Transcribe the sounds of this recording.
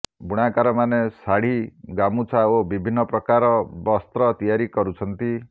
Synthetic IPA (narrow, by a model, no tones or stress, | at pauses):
buɽ̃akaɾɔmanesaɽ̤iɡamut͡ʃʰaobibʱinːɔpɾɔkaɾɔbɔst̪ɾɔt̪ijaɾikɔɾut͡ʃʰɔnt̪i